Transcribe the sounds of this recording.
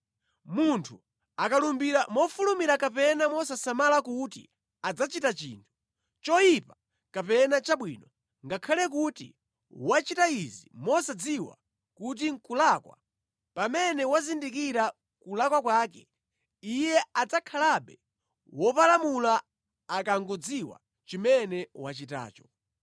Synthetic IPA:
muntʰu | akalumbiɾamɔfulumiɾakapɛnamɔsasamalakutḭ | ad͡zat͡ʃitat͡ʃḭːntʰu̥ | t͡ʃɔjipa | kapɛnat͡ʃaɓwḭːnɔ | ŋɡakʰalɛk̬utḭ | wat͡ʃitaizimɔsad͡ziwa̰ | kut̬iŋkulakwa̰ | pamɛnɛwazindikiɾa | kulakwakwaːkɛ | ijɛad͡zakʰalaɓɛ | wɔpalamula | akaŋɡɔd͡ziwa̰ | t͡ʃimɛnɛwat͡ʃita̰ːt͡ʃɔ̥

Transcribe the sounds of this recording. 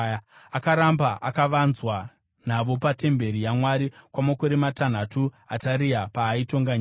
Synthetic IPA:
akaɾambaʔakaʋanzwa | n̤aʋo̞pate̞mbe̞ɾijamwaɾikwamakoɾematan̤atu | ataɾiapaːito̞ŋɡaɲa

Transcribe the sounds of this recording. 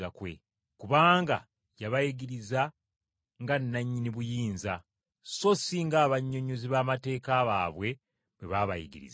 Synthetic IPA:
akwe̞̰ | kuβaːŋɡa̰ | jaβajiɡiɾiza | ŋɡanːaɲːiniβujiːnza | so̞siŋɡaːβaɲːo̞ɲoziβaːmate̞ːkaːβa̰ːβwe̞ | βweβaβa̰jḭɡḭɾḭza

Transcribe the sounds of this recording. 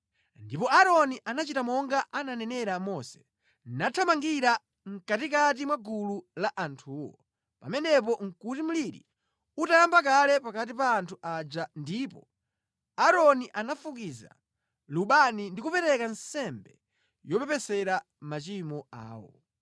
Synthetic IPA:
ndipɔaɾɔniʔanat͡ʃitamɔŋɡaʔananɛnɛɾamɔsɛ̥ | natʰamaŋɡiɾa | ŋ̩katikat̬imwaɡululaʔantʰuːwɔ̰ | pa̰mɛnɛpɔŋ̩kutim̩liɾḭ | utajambak̬alɛpakat̬ipaːntʰuʔad͡ʒandipɔ | aɾɔniʔanafukiza̰ | luɓanindikupɛɾɛkansɛmbɛ | jɔpɛpɛsɛɾa | mat͡ʃimɔa̰ːwɔ̰

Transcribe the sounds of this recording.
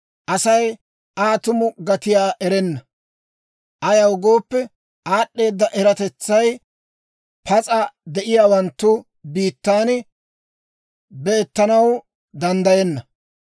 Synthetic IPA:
ʔɐsɐj | aːt̪ʊmʊɡɐt̪ɪjaːʔɛɾɛnːɐ | ʔɐjɐwɡo̞ːpːɛ | aːɗːe̞ːd̪ːɐʔɛɾɐt̪ɛt͡sːɐj | pʰɐt͡sʼɐd̪ɛʔɪjaːwɐnt̪ːʊ | biːt̪ːaːn | bɛːt̪ːɐnɐw | d̪ɐnd̪ɐjɛnːɐ

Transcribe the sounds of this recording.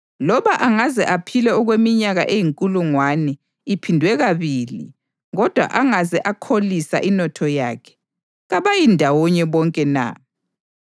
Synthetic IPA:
lɔβaʔaŋazɛʔapʰilɛɔɣwemiɲaɣaʔejiŋkʼuluŋwanɛ | ipʰindʱwɛɣaβilḭ | ɣɔd̥ʱwa̰ʔaŋazɛʔakʰolisa̰ʔinɔtʰɔja̰ːkʰɛ̥ | ɣaβajindʱawɔɲɛβɔŋkʼɛna̰

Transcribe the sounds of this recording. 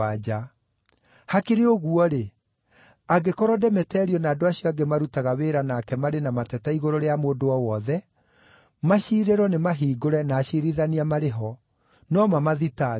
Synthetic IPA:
ad͡ʑa | hakeɾeoɣuɔɾe | aɡekɔɾɔdɛmɛtɛːɾiɔnaːdoaɕjɔaɡemaɾutaɣaweːɾanakɛmaɾenamatɛtaiɣoɾoɾeamoːdoɔwɔðɛ | maɕiɾeɾɔnemaɦiːɡoɾɛnaːɕiɾiðaniamaɾeɦɔ | nɔmamaðita

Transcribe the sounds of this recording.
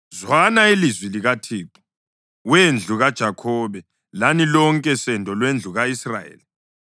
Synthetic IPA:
zwanailizwiliɣatʰiːpʰʼu̥ | wend͡ɮʱuɣad̥ʒ̥ʱakʰɔːβɛ | lanilɔŋkʼɛsɛndʱɔlwend͡ɮʱuɣaisrajḛːli

